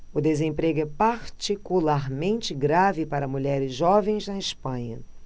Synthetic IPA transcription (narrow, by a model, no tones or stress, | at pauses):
ʊd̪ezẽmpɾeɡʊɛpaɾt͡ʃikulaɾmẽnt͡ʃɪɡɾavɪpaɾɐmuʎɛɾɪzʒɔvẽj̃znɐɪʃpɐ̃ɲɐ